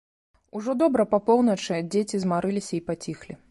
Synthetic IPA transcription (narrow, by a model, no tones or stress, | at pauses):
uʐɔd̪ɔbɾɐpɐpɔwnɐt͡ʂɨd͡zʲet͡sʲizmaɾɨlʲisʲɐipat͡sʲixlʲi